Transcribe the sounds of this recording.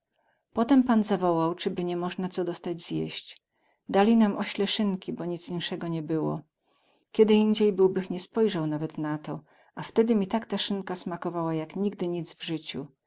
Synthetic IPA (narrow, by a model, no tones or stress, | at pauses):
pɔt̪ɛmpanzavɔwawt͡ʂɘbɘɲɛmɔʐnat̪sɔd̪ɔst̪ad͡ʑz̥jeɕt͡ɕ | d̪alʲinamʔɔɕlɛʂɘŋkʲibɔɲit̪sinʂɛɡɔɲɛbɘwɔ̰ | kʲɛd̪ɘind͡ʑejbɘwbɘxɲɛspɔjʐawnavɛt̪nat̪ɔ | aft̪ɛd̪ɘmʲit̪akt̪aʂɘŋkasmakɔvawajakɲiɡd̪ɘɲit̪zvʐɘt͡ɕu